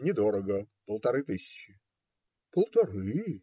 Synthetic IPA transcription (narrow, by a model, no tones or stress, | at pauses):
nʲɪd̪oɾəɡəpəlˠt̪ɐɾɨt̪ɨsʲɪ̥t͡ɕːɪ | pəlˠt̪ɐɾɨ